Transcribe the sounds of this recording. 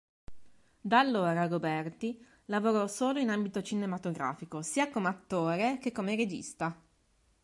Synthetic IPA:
d̪alːoːɾaɡobɛrt̪i | lavoɾɔsoːloinambit̪ot͡ʃinemat̪oɡɾa̰ːfikosiːakomeat̪ːoːɾek̟ekːomeɾed͡ʒḭst̪a

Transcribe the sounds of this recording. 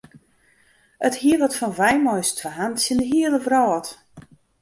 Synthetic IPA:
əthiəʋɔtfɔnʋɛjmɔjstʰʋaɦantsjɪndəɦiəlˠəvrɔːt

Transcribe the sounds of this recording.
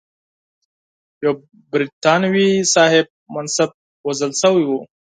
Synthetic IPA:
jaw | bɾit̪ɑnwisɑːhɪb̚mansab̚ | wɐzəlsəwiwu

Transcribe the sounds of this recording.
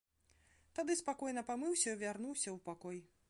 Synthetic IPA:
t̪ad̪ɨspakɔjnɐpamɨwsʲɐvʲarnuwsʲɐwpakɔj

